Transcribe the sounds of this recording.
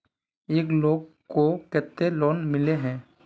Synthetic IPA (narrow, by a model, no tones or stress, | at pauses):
eːkloːɡ̚ | kokɛːt̪ːelɔːnmɪleɦɛ̃ː